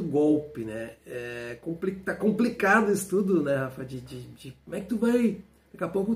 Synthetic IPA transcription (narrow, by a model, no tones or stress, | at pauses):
ʊɡowpɪnɛɛɛkõplikt̪akõmplikad̪ʊisʊ̥t̪ud̪ʊnɛhafɐd͡ʒɪd͡ʒɪd͡ʒɪkomɛkɪt̪uvaj | d̪̥akɛapowkʊ